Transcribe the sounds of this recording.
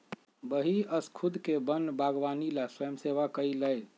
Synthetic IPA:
bəɦiəskʰud̪ʱkebənbaɡʋanilaswəjəmseʋakəiləj

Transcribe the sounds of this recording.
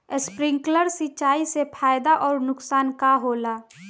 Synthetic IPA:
ɪspɾɪ̃ŋkləɾsit͡ʃaːisepʰaːjd̪aʔɔːɾnʊksaːnkaɦoːlaː

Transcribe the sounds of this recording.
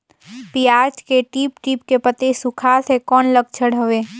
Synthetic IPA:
piaːɾt͡ʃkeʈiːpʈiːpkepət̪esʊkʰaːsʰekɔːnləɡt͡ʃʰəɽəʋeː

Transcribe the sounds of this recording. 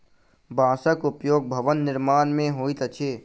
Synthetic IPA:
bãːsəkʊpjoːɡ̚bʱəʋənːɪɾmaːnmẽɦoːit̪ət͡ʃʰeː

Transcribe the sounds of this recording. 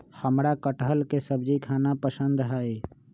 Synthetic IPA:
həmɾakəʈəɦəlkesəb̚d͡ʒikʰaːnapəsə̃nd̪ɦae

